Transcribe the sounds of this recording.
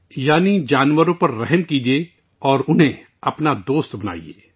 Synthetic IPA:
jaːnid͡ʒaːnʋəɾõpɐɾːɛɦəmkiːd͡ʒieː | ɔːɾʊnɦẽ | ɐpnad̪oːst̪bɐna̰ːḭḛː

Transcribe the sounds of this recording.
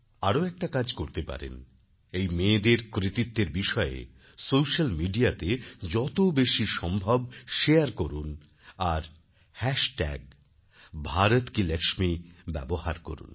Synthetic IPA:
aɾoɛk̚ʈakad͡ʑkoɾt̪epa̰ɾḛn | ejmeːd̪eɾkɾit̪it̪ːeɾbiʃɔḛ | sowʃalmiɖiat̪ed͡ʑɔt̪obeʃiʃɔmbʱɔb̚ʃeaɾkoɾun | aɾ | hɛʃʈɛ̰ɡ̚ | bʱaɾot̪kilɛkʃmibɛ̰bohaɾko̰ɾṵn

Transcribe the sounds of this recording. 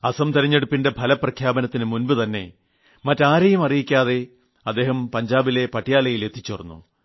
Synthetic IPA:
ɐsɐmt̪iɾɐɲːeɽupːinde̞pʰɐlɐprɐkʰjaːbɐnɐt̪ːinɨmunbɨt̪ɐnːe̞̰ | mɐtːaːɾɐjumɐrijikʲːaːðe̞ | ɐd̪ːe̞ːɦɐmpɐɲd͡ʑaːbile̞pɐʈʰːijaːlɐjile̞t̪ʰːi̥t͡ɕːorɐnːṵ

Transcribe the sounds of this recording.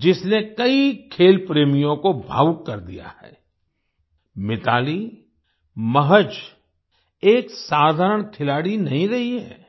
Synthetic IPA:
d͡ʒɪsnekɐikʰeːlpɾeːmijõkobʱa̰ːwkːɐɾd̪ḭja̰hɛ̰ː | mɪt̪aːli | mɐɦəd͡ʒ | eːksaːd̪ʱaːɾəɽ̃kʰɪlaːɽinɐɦĩɾɐɦiɦɛ̰ː

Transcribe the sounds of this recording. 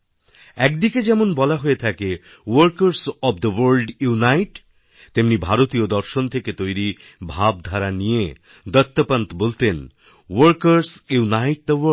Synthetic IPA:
ɛk̚d̪iked͡ʑɛmonbɔlaɦoet̪ʰake | wəɾkaɾsɔbd̪əwəɾlɖjunajʈ | t̪emnibʱaɾot̪iod̪ɔɾʃont̪ʰeket̪ojɾi | bʱab̚d̪ʱaɾanije | d̪ɔt̪ːopant̪obolt̪en | woɾkaɾsunajʈ̚d̪əwə

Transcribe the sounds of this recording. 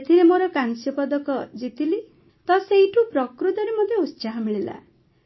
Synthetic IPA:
et̪ʰiɾemoɾʌkansjɔpʌd̪ʌkʌd͡zit̪ili | t̪ʌsejʈʰupɾʌkɾut̪ʌɾemʌd̪ʱjeust͡ʃaɦamiɭela̰

